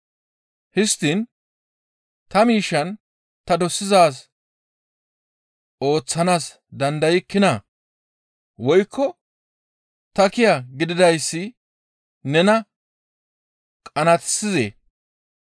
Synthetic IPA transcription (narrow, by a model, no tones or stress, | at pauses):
hɪst̪in | t̪ɐmiːʃːɐn | t̪ɐd̪ɔsːɪzaːs | ʔo̞ːt͡sːɐnaːs | d̪ɐnd̪ɐjɪkːɪna | wɔjkːɔ | t̪ɐkɪjɐɡɪd̪ɪd̪ɐjsːɪ | nɛnɐ | kʼɐnɐt̪sɪzḛː